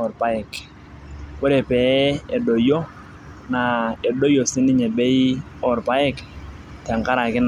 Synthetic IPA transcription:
ɔ˨ɾpa˦ɪ˨k | wɔ˦ɾe˨pɛ˨˦e˨do˨jo˦ | na˨e˨do˦jo˨sɪ˦nɪ˦ɲɛ˨bɛ˦i˦ | ɔ˦˨ɾpa˦ɪ˦˨k | ta˨ŋka˦ɾa˨kɪ˦n

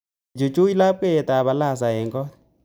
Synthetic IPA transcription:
d͡ʒo˨t͡ʃo˦i˦la˦pwɛ˦˨ta˨βa˨la˦˨s̬a˨ɛ˨ŋɡɔ˦n

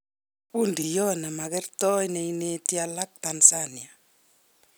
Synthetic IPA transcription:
pu˦ndi˨jɔ˦na˨ma˨kɛ˦rtɔ˦jne˨ine˦tja˦la˦k̚ta˨nsanja˨

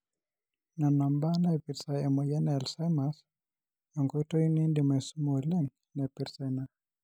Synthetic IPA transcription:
na˨na˨mba˦na˦ɛ˨pi˨ɾsaɛ˨mɔ˨jɛ˦nɛ˨lsa˦jma˨s | jɔ˨ŋɡo˦i˦to˦ju˦ni˦ndi˨mɛ˨su˦mo˨lɛ˦ŋ | na˨pɪɾsa˨na˨

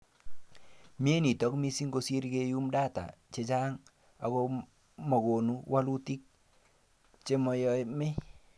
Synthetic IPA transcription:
mje˦ni˨tɔ˦kmi˦si˦ŋɡo˦si˦ɾke˦ju˦mda˦ta̰˨t͡ʃe˨t͡ʃa˦ŋ | a˨ko˦ | mɔ˨ko˨nu˦wa˦lu˦ti˦k̚ | t͡ʃe˦mɔ˨jɔ˨˦jmɪ˦

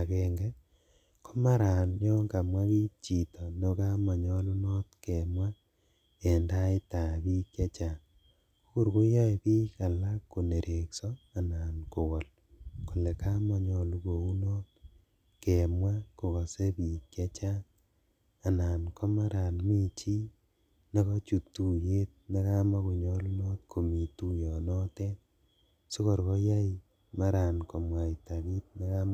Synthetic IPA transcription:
a˨ke˨ŋɡe˦ | kʰo˦ma˦ɾa˨njɔ˦ŋɡa˨mwa˦βi˦t͡ʃi˨to˨no˦ka˦mɔ˨ɲɔ˦lu˦no˦tke˨mwa˦ | e˨nda˦i˦ta˨βi˦kje˦t͡ʃa˦˨˦ | ɣu˦˨ɾɡu˦ja˦i˨bi˦ka˨la˦kːu˨ne˨ɾʔe˨ksɔ˦a˨na˨nko˨ɣɔ˨l | ku˨le˨ka˦mɔ˨ɲɔ˨lu˦ɣo˨u˦no˦t̚ | ke˨mwa˦ko˨ka˨se˦bi˨kje˦t͡ʃa˦ | a˨naː˨nkʰɔ˦ma˦ɾa˨nmi˨t͡ʃi˦ | ne˦kɔ˦t͡ʃu˨tːu˨je˦t̚ne˦ka˦ma˦ku˨ɲɔ˦lu˦nɔ˦t̚kʰo˨mi˨tu˦jɔ˨nɔ˦te˦n | su˦kɔ˨ɾkɔ˦ja˦i | ma˦ɾa˨nkɔ˨mwa˨ita˨bi˦t̚na˦ka˦m

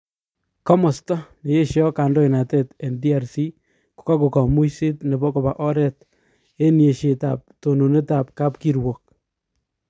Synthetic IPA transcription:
kɔ˦mɔ˨stɔ˦ne˨je˦ʃjɔ˦ka˨ndɔ˦i˨na˨te˦tɛ˨ndi˦a˨ɾsi˦ | ku̥˨ka˦ku˨kɔ˨mu˦si˦tne˨bɔ˦ko˨ba˨ʔɔ˦ɾɛ˦t̚ | e˦nje˨ʃe˨ta̰˨p̚to˨no˨ne˦ta˨p̚ka˦pki˦ɾwo˨k̚

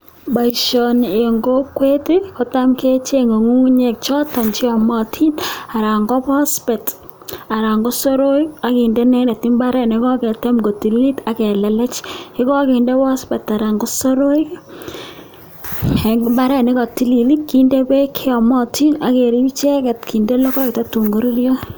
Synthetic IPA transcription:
ba˨ʃɔ˨ne˨ŋɡo˦kwe˦tɪ˦ko˨ta˦mke˦t͡ʃe˦ŋo˨ŋu˦ŋ˦ɲe˨k̚t͡ʃɔ˦tɔ˨nt͡ʃɪ˦ɔ˨mɔ˦tʰi˦na˨ɾa˨ŋɡɔ˦pɔ˦spɛ˨t | a˨ɾa˨ŋɡo˦so˦ɾo˦ja˨ki˨nde˦nɛ˦dɛ˨ti˦mba˦ɾɛ˦ne˨˦kɔ˦kɛ˨tɛ˦mɡo˨ti˨li˦li˦ta˨˦kɛ˨lɛ˨lɛ˦t͡ʃɪ˦kɔ˦ki˨nde˦pɔ˦spɛ˨ta˨ɾa˨ŋɡo˦so˦ɾo˦j | mba˦ɾɛ˦ne˦kɔ˨ti˨li˨li˦ki˨nde˦pe˦kʰe˦ɔ˨mɔ˦tʰi˦na˨˦ke˨ɾi˦t͡ʃɛ˦kɛ˨tki˨nde˦lɔ˦kɔ˦k̚ta˦tu˨ŋɡo˦ɾi˦ɾjɔ˦

